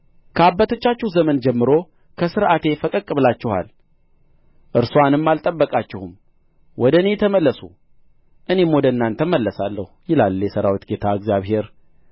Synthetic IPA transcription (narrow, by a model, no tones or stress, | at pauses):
kʰəabːət̪ʰət͡ʃːat͡ʃːɪhzəmənd͡ʒɛmːɨɾo̞ | kʰəsɨɾʔat̪e̞fəkʼəkʼːɨβlat͡ʃːɪha̰l | ʔɨɾsoanɨmːalt̪ʼəbːəkʼat͡ʃːɪhum | wɔd̪əne̞t̪ʰəməlːəsu | ʔɨne̞mod̪əɨnːant̪ʰəmːəlːəsalːəhujɪlaljɛsəɾawit̪ɡe̞t̪ʰaɨɡzjaβhe̞ɾ